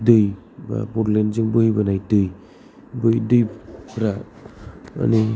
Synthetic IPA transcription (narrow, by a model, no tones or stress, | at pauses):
dɯj | ba̰pɔɾlenzɯŋbɯɦibanajdɯj | bɯjdɯjpʰɾa | a̰ni